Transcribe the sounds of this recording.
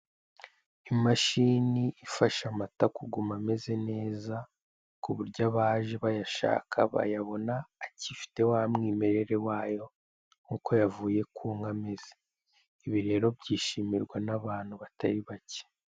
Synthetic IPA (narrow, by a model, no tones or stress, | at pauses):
imaʃiniifaʃamatakuɡumame̞ze̞ne̞ːza | kuβuɾɟaβaːʒeβajaʃa̰ːkʰa̰βa̰jaβo̞naːcifi̥te̞wamŋiːme̞ɾe̞ɾe̞waːjo̞ | ŋuːko̞javuːje̞kʰuːŋɡame̞z̥e | iβiɾe̞ɾo̞bɟiːʃimiɾɡwanaβaːn̥huβatʰaɾiβace̥